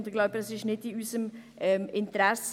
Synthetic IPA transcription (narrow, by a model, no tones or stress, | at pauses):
nd̪ɪɡ̥laʊbədɑsɪʃnɪtːiyːsəmʔɛmɪnt̪əɾɛs